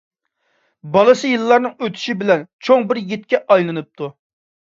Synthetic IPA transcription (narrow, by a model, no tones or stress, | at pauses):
bɑlˠɨsɨjilˠːɑɾnɨŋøt̪ʰy̥ʃibɪlɛnt͡ʃʰoŋbɪɾjet̪̚kʲɛʔɑjlˠɨnɨp̚t̪ʰu